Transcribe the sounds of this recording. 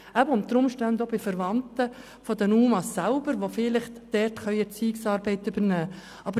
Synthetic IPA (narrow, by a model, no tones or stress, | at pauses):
æbəʊnt̪ːəɾʊmʃtɛndobɪfəɾʋɑnt̪ə | fɔd̪ɛnuːmɑsːælbəɾʋofɪlɪχtd̥ɛrtχœʏət͡siːɪksɑːɾbɛɪtʏbəɾnæː | ɑbə